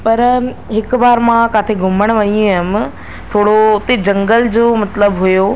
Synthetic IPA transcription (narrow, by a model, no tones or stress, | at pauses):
pɐɾ | ɦɪkbaːɾmãkaːt̪ʰeɡʱʊməɽ̃ʋɐɲũɪm | t̪ʰoːɽot̪ed͡ʑɐ̃ŋɡəld͡ʑoːmɐt̪ləbɦujoː